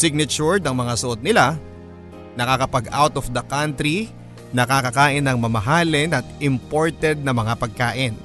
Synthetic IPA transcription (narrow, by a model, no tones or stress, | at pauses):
sɪɡ̚nɐt͡ʃuɹd̪ɐŋmɐŋasʊʔot̪̚nɪla | nɐkakɐpɐɡa̰wt̪ɔfd̪ɐkant̪ɾi | nɐkakɐkaːʔɪnɐŋmɐmɐɦaːlɪnɐt̪̚ɪmpoɹt̪ɛd̪̚nɐmɐŋapɐɡ̚kaːʔɪn